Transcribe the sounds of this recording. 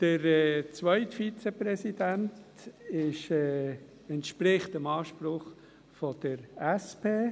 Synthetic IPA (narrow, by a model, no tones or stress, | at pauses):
d̥əɾɛːt͡sʋœʏtfit͡sɛpɾɛsid̥ænt | ɪʃɛː | ɛntʃpɾɪχtəmɑːʃpɾʊχ | fɔd̥əɾɛspʰeː